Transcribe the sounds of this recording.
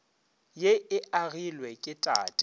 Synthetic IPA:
jeɪaɣilwɛkʼɪtʼa̰ːtʼɪ

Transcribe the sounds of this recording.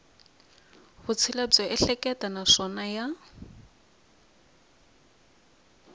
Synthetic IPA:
βʊt͡sʰɪlab͡ʐɔʔɛɬɛkʼɛtʼanaʂɔnaja

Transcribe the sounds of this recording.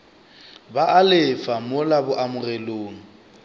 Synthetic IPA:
baʔalɪfamoʊlabʊʔamʊrɛloːŋ̩

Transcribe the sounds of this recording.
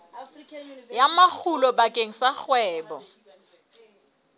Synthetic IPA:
jamak͡xʰulɔbakʼeŋ̩saχwɛːbɔ

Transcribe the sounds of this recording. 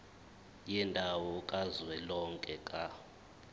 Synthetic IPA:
jindʱawɔkʼazwɛlɔŋkʼɛkʼa

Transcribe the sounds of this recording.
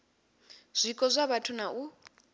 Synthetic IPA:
z̥ʷikʼɔzʷaβatʰunaʔu

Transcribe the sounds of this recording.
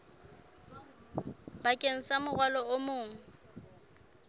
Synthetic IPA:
bakʼeŋ̩samʊɣwalɔʊmʊːŋ̩

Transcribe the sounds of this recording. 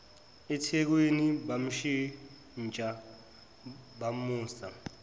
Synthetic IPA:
ɛtʰek̬wenibam̩ʃi | n̩t͡ʃʼa | bamuːsa

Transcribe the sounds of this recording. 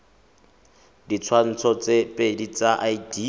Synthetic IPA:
dit͡sʰwan̩t͡sʰɔt͡sʼepʼedit͡saʔaidi

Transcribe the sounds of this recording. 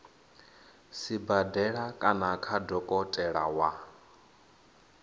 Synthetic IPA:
sibadɛɺakʼanakʰadɔkʼɔtʼɛɺa̰wa

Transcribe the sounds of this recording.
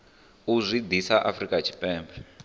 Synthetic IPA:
uzʷid̪isaʔafrikʼat͡ʃʰi̥pʼɛːmbʰɛ

